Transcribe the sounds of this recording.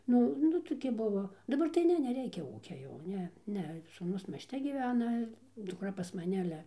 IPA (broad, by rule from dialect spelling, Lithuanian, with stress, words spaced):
ˈnʊ ˈnʊ toːˈkʲɪ ˈbʊʋoː dɐˈbɐr tɐɪ ˈnʲɛ nʲɛˈrʲɛɪkʲɛ ˈuːkʲɛ jɛʊ ˈnʲɛ ˈnʲɛ suːˈnʊs mʲiɛsʲˈtʲɛ ɡʲiːˈʋʲæːnɐ dʊkˈrɐ pɐs mɐˈnʲɛ ɐˈlʲɛ